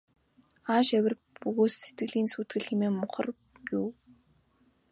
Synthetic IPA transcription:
aːʃæwʲɪ̆r | puɣoːsset̪̚ɡɘ̆ɮiːnsuːt̪̚ɡɘ̆ɮximeːmʊχə̆r | juw

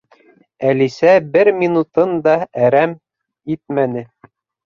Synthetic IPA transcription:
ælisæbɘɾmʲinut̪ɤnd̪ɑæɾæm | it̪̚mænɘ

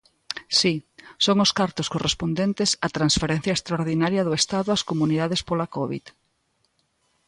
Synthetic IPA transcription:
sisoŋʊskaɾt̪ʊskorespond̪ent̪esɐt̪ɾãnsfeɾen̟θjɐest̪ɾaoɾðinaɾjɐðʊest̪aðʊɐskomuniðaðespolɐkɔβḭð

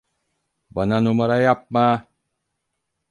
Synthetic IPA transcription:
bʌnanumaɾajap̚ma

